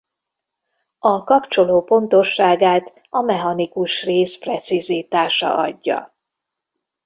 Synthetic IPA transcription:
ɒkɒpt͡ʃo̞loːpo̞nt̪o̞ʃːaːɡaːt̪ | ɒmɛɦɒnikuʃreːsprɛt̪siziːt̪aːʃɒ̰ʔɒ̰ɟːɒ̰

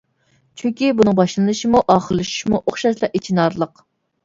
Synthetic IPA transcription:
t͡ʃʰyŋkʲibunɨŋbɑʃlˠɨnɨʃimuʔɑːχəlˠːɨʃu̥ʃmuʔoχʃɑʃlˠɑet͡ʃʰinɑɾlˠəq

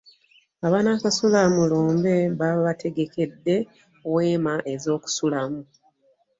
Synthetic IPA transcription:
aβaːnakasulamuluːmbe̞βaβatʰe̞ɡe̞ke̞dːe̞ | owe̞ːmaʔe̞zo̞ːku̥sulamu

